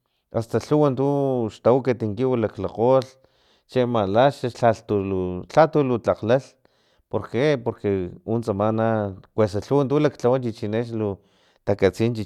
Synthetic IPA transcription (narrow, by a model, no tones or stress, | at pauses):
ast̪aɬuwant̪uʃt̪awkat̪iŋkiwulaklaqol | t͡ʃemalaʃaat̪ulut͡ɬat̪ulut͡ɬaqlal | poɾkepoɾkeunsamanakwesaɬuwant̪ulakt͡ɬawant͡ʃit͡ʃineʃlu | t̪akat͡sint͡ʃi